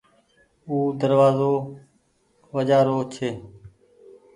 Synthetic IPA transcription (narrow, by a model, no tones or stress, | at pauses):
uːd̪əɾʋaːzoː | ʋəd͡ʒaːɾoːt͡ʃʰeː